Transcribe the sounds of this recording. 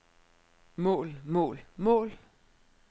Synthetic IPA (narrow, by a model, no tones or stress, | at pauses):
mɔ̰̽ːlmɔ̰ːlmɔ̰̽ːl